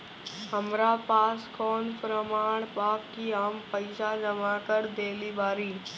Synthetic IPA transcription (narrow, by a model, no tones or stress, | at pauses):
ɦəmɾaːpaːskɔːnpɾəmaːɳ̃paːkːiaːmpəɪsad͡ʒəmaːkəɾd̪eːlibaːɾiː